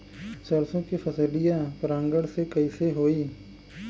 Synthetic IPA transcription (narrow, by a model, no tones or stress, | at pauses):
sɐɾsõkifʰɐsəlijãpɾãːŋɡəɽsekɐiseɦoːiː